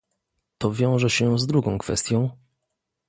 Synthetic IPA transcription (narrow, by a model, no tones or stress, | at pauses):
t̪ɔvʲjɔ̃w̃ʐɛɕɛzd̪ɾuɡɔ̃w̃kfɛ̰st̪ʲjɔ̃w̃